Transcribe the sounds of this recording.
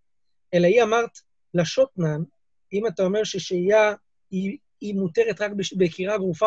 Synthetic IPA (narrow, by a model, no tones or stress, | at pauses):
e̞laiamaʁt̪ | laʃotnan | imatao̞me̞ʁʃeʃeja | i | imuteʁetʁakbbekiʁaɡʁufa